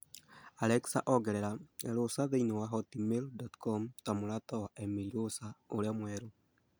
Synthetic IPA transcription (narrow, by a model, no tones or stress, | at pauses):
aleksaʔoɡeɾeɾaeɾosaðeinowaɦotimildotkomutamulatawaʔemiɾiɾosaolamweɾo